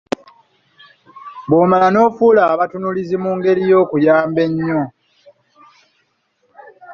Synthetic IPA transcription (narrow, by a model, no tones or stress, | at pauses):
βoːmaano̞ːfulaːβatunulizimuːŋɡe̞lijo̞ːkujaːmbe̞ɲːo̞